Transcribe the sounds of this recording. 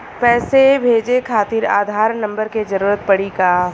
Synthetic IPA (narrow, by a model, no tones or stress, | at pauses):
pɛːsebʱeːd͡ʒekʰaːt̪ɪɾa̰ːd̪ʱaːɾnɐ̃mbəɾked͡ʒəɾuːɾət̪̚pɐɽikaː